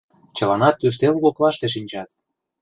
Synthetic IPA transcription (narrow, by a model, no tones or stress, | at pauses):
t͡ɕə̆lɑnɑt̪ːys̬t̪elɣoklɑʃt̪eʃ̬inʲt͡ɕɑt̪̚